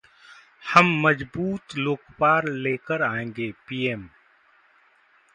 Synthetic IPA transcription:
həmːəd͡ʒbuːt̪loːkpaːɾleːkəɾaːẽːŋɡeːpiːem

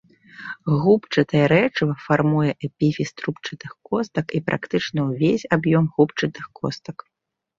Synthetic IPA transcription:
ɣupt͡ʂɐt̪ɐjɛɾɛt͡ʂɨvɐfarmujɛʔɛpʲifʲist̪ɾupt͡ʂɨt̪ɨxkɔst̪ɐkipɾʔa̰kt̪ɨt͡ʂnɐwvʲesʲabjɔmɣupt͡ʂɨt̪ɨxkʰɔst̪ɐk

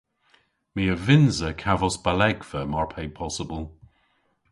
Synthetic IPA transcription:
miːəvɪnzəkʰavɔsb̥alɛɡvəmɔɹpʰeɪpʰɔsəbəlˠ

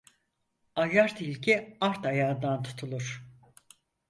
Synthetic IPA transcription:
ajaɾt̪ʰilʲcʰiaɾt̪ʰajaːd̪ant̪ʰu̥t̪ʰulˠuɾ̥

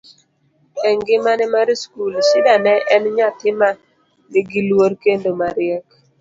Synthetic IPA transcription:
ɛŋɡɪmanɛmaɾiskulsɪdanɛʔɛnɲatɪma | nɪɡilwoɾkendomaɾɪɛk

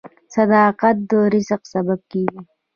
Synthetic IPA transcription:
sad̪ɑːqat̪̚d̪oːɾisaqsabab̚kiːɡi

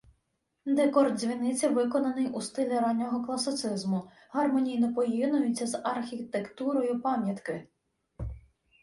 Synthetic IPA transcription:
d̪ekɔrd̪̚zʲʋʲinɪt͡sʲɐʋɪkɔnɐnɪjust̪ɪlʲiɾɑnʲːɔɦɔklˠɐsɪt̪sɪzmʊ | ɦɐrmɔnʲijnɔpɔjinʊjʊt͡sʲːɐzɐrxʲit̪ekt̪uɾɔjʊpɑmʲjɐt̪kɪ

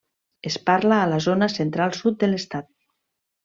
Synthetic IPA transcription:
espaɾlaːlazonasent̪ɾalˠsut̪̚d̪elest̪at̪̚

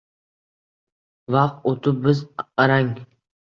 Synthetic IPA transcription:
vɑqt̪ot̪ʰʊp̚bɪzaɾaŋ

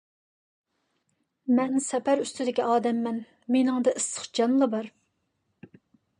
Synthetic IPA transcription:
mɛnsɛpæɾyst̪ʰɪd̪ɪkʲiɑːd̪ɛmːɛn | menɪŋd̪ɨʔɨsə̥χd͡ʒɑnlˠɑbɑɾ

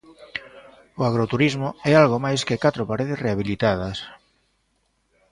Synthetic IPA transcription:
oaɣɾot̪uɾizmʊɛalɣomajskekat̪ɾopaɾeðesreaβ̞ilit̪að̞ɐs

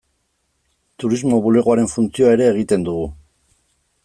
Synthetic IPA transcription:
t̪uɾizmo̞βule̞ɣoaɾe̞ɱfunt͡sioae̞ɾe̞ːɣ̞it̪e̞nd̪uɣ̞u

